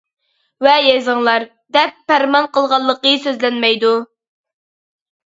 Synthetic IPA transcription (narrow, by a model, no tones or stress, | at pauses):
wɛjezɨŋlˠɑɾ | d̪ɛpːæɾmɑnqəlˠʁɑlˠːəqəsøzlɛnmɛjd̪u